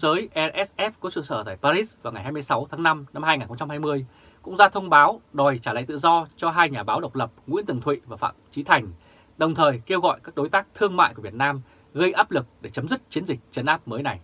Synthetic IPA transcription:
zəː˨˦jʔɛ˧ʔɛ˦˥sʔɛ˦˥kɔ˨˦sɨ̰˧˨səː˧˩t̪a̰ː˧˨˩jpaː˧zi˦˥svaː˨˩wŋa˨˩jɦaː˧jmɨ˧əjsa˨˦wt̪ʰaː˨˦ŋna˧mna˧mhaː˧jŋaː˨˩nxə˧ŋ͡mt͡ɕa˧mhaː˧jmɨ˧əj | kʊ̰˧˥ŋ͡mzaː˧t̪ʰə˧wŋ͡mɓaː˨˦wɗo˨˩jt͡ɕaː˧˩la̰ː˧˨jt̪ɨ̰˧˨zɔ˧t͡ɕɔ˧ɦaː˧jɲaː˨˩ɓaː˨˦wɗə˨˩wk͡p̚lə˨˩p̚ŋḭ˧˥nt̪ɨ˨˩əŋt̪ʰwḭ˧˨vaː˨˩fa̰ː˧˨mt͡ɕi˨˦t̪ʰa˨˩jŋ̟ | ɗə˨˩wŋ͡mt̪ʰəː˨˩jke˧wɣɔ̰˧˨jkaː˦˥k̚ɗo˨˦jt̪aː˦˥k̚t̪ʰɨ˧əŋma̰ː˧˨jku˧˩vət̚naː˧m | ɣə˧jʔaː˦˥p̚lɨ˨˩k̚ɗe˧˩t͡ɕə˨˦mzɨ˦˥k̚t͡ɕi˨˦ənzï˨˩k̟̚t͡ɕə˨˧˦nʔaː˦˥p̚məː˨˦jna˨˩j

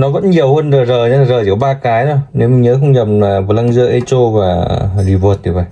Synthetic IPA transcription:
nɔ˨˦kə̰˧˥nɲi˨˩əwhə˧nzə˨˩zəː˨˩a˧˨˩zəː˨˩ḭ˧˩əwɓaː˧kaː˨˦jtɔ˨˦ne˨˦wmï˨˩ŋɲəː˨˦xə˧wŋ͡mɲə˨˩mlaː˨˩və˨˩la˧ŋzɨ˧əʔe˧t͡ɕo˧vaː˨˩ɗi˨˩vu˨˩t̪̚ʰi˨˩va̰˧˩j

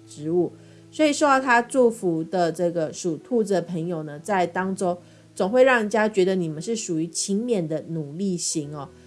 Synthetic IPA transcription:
ʈ͡ʂɻ̩˧˥u˥˩ | swɔ˧˥i˨˩ʂo˥˧t̪ɑ˥˩ʊt̪ʰa˥ʈ͡ʂu˥˩fu˧˥d̪ə˧ʈ͡ʂɤ˥˩ɡə˩ʂu˨˩t̪ʰu˥˧d͡z̩˨˩d̪ə˩pʰə˧˥ŋjo˨˩ʊnə˩t͡sa˥˩ɪt̪ɑ˥ŋʈ͡ʂo˥ʊ | t͡sʊ˨˩ŋxwe˥˧ɪɻɑ˥˩ŋ˨˩t͡ɕja˥t͡ɕɥɛ˧˥d̪ə˧ni˨˩mə˦nʂɻ̩˥˩ʂu˨˩y˧˥t͡ɕʰi˧˥ŋmjɛ˨˩nd̪ə˦nu˨˩li˥˩ɕi˧˥ŋɔ˥˨

